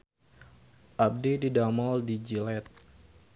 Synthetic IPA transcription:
ʔab̚dididamaldid͡ʒilɛt̪̚

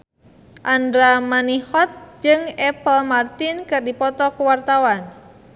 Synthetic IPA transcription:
ʔandɾamanihɔt̪̚d͡ʒɨŋɛpəlmart̪inkɨrdipɔt̪ɔkuwart̪awan

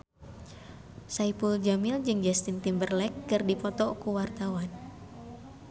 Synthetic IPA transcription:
saipuld͡ʒamild͡ʒɨŋd͡ʒast̪int̪imbərlɛkːɨrdipɔt̪ɔkuwart̪awan

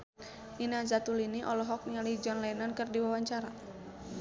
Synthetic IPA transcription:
ʔinazat̪uliniʔɔlɔɦɔk̚nalid͡ʒɔnlaɛnankɨrdiwawaɲt͡ʃaɾa

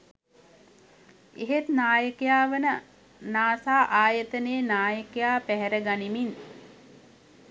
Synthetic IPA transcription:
eɦet̪naːjəkijaːʋənə | naːsaːʔaːjət̪əneːnaːjəkejaːpæɦɛɾəɡanimin

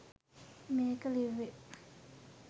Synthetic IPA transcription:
meːkaliɹeʔ

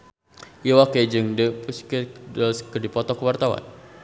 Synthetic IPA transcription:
jəwaked͡ʒəŋdəpuskədəlskədipɔt̪ɔkəwart̪awa̰n

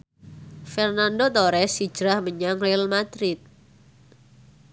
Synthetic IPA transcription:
fɛrnandot̪oɾɛsːi̥d͡ʒ̥ɾahməɲaŋrɛlmad̪ɾɪt̪̚

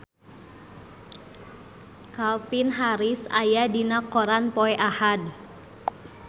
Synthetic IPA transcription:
kalpinɦaɾɪsajadinakoɾanpɔɛʔahad

